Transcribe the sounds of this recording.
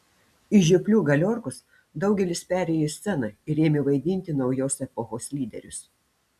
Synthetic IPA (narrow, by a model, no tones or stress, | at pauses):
ɪʒʲɪpʲlʲuːɡɐlʲoːɾkʊs | d̪ɒʊɡʲɛlʲɪspʲæːɾʲeːjosʲsʲɛnɐɪɾʲeːmʲɪʋɐɪd̪ʲɪnʲt̪ʲɪnɒʊjoːsɛpoxoːsʲlʲiːd̪ʲɛ̰ɾʲʊs